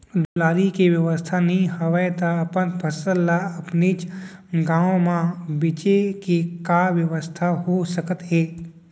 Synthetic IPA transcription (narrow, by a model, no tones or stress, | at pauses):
d̪ʊlaːɾikeʋjəʋəst̪ʰanĩɦɐʋəjt̪aɐpənpʰɐsəlːaɐpnit͡ʃɡãːõmãbɪt͡ʃekekaʋjəʋəst̪ʰaɦosəkət̪ɦeː